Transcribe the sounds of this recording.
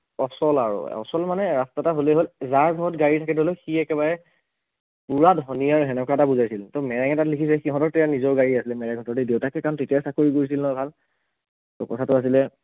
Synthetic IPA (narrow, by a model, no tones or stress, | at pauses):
ɔsɔlaɹṵɔ̰sɔlmanɛɹastataɦoleɦolzaɹbʱɔɔtɡaɹitʰakɛtɦolɛxiɛkɛβaɹɛ | puɹadɦɔnijaɹɦɛnɔkʰatabuzajsiltɔmɛɹɛŋɛtatlikʰisɛxiɦɔ̃tɔɹtɛjanizɔɹɡaɹiasilɛmɛɹɛŋɡʱɔtɔɹtidewtakɛkaɹɔntetijasakoɹikoɹis̬ilnɔjbʱal | tɔ̰kɔtʰatʊas̬ilɛ